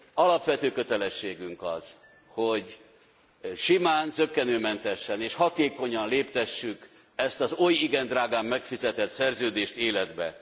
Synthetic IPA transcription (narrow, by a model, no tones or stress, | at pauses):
ɒlɒpʋɛt̪øːkø̞t̪ɛlɛʃːeːɡyŋkɒz̥ | hoɟ | ʃimaːnsøkːɛnøːmɛnt̪ɛʃːɛneːʃhɒt̪eːko̞ɲɒnleːpt̪ɛʃːyk | ɛst̪ɒzojiɡɛnd̪raːɡaːmːɛkfizɛt̪ɛt̪sɛrzøːd̪eːʃt̪eːlɛd̪bɛ̰